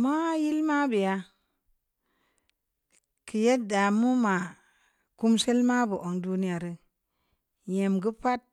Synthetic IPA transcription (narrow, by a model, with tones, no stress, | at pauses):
ma˦ji˦lma˦bi˨ja˦ | ki˨je˦da˨mu˦ma˨ | ku˦mse˦lma˦bu˨ʔo˨ŋdu˦ni˦ja˨ɾi˦ | je˨mɡə˦pa˦t̚